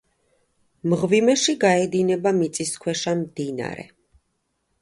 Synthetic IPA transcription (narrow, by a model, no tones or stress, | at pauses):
mʁvimɛʃiɡaɛd̪inɛbamit̪sʼiskʰwɛʃamd̪ina̰ɾɛ̰